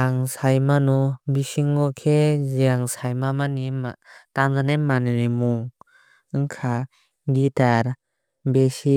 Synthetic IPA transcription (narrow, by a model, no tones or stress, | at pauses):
aŋsajmanubisiŋɡɔkʰeziaŋsajmamanimataŋzanemanɾimuŋ | ɯŋkʰa | ɡitaɾ | besi